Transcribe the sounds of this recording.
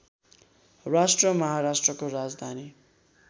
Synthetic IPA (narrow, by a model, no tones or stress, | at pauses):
rasʈrʌmʌɦaɾasʈrʌkoɾad͡zd̪ʱani